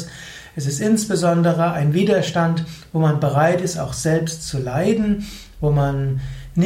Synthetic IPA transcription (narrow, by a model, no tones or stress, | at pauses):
s | ʔɛsɪstʔɪnsb̥əzɔndəʁəaɪnviːdɐʃtantv̥oːmanbəʁaɪtɪsta̰ʊxz̥ɛlpstt͡sulaɪdn̩ | voːmanːɪ